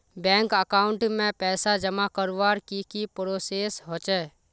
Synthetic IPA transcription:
bɛ̃ːŋkəkaːʊɳʈmẽpɛːsad͡ʒəmakəɾʋaːɾkikipɾoːseːsɦot͡ʃɛː

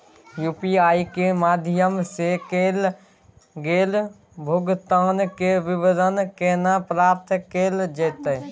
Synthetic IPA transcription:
juːpiaːikemaːd̪ʱɪjəmsekeːl | ɡeːl | bʱʊɡt̪aːnkeʋɪʋəd̪ənkeːnapɾaːpt̪ʰkeːld͡ʒəːt̪ə

